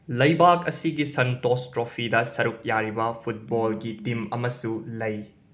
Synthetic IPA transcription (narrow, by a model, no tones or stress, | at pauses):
lɐjbakɐsiɡisɐntostɾopʰidɐsɐɾuk̚jaɾibɐpʰut̚bolɡitimɐmɐsulɐj